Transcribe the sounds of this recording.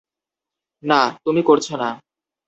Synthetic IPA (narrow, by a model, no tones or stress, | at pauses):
nat̪umikoɾt͡ɕʰona